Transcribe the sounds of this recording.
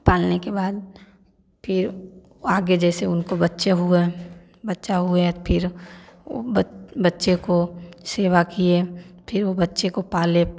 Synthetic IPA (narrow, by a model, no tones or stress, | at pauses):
paːlnekebaːd̪̚ | pʰɪɾ | aːɡed͡ʒɛːseʊnkobɐtːʃeɦue | bɐtːʃaɦʊepʰɪɾo̰bbɐtːʃekoseːʋakiepʰɪɾʋobɐtːʃekopaːle